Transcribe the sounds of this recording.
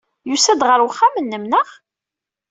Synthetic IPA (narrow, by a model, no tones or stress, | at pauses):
jusæd̪ʁəɾwəχːamənːəmnəχ